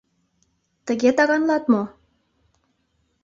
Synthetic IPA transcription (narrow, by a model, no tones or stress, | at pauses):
t̪əɣet̪ɑɣɑnlˠɑt̪mo